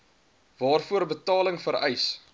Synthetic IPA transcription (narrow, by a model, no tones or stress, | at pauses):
vɑːrfuəɾbətɑːləŋfəɾɛjs